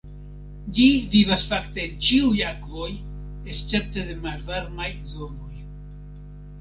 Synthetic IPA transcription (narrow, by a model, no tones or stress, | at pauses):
d͡ʒivivasfakte̞ːnt͡ʃiujakvo̞j | est͡se̞p̚te̞de̞malvaɾmajzo̞no̞j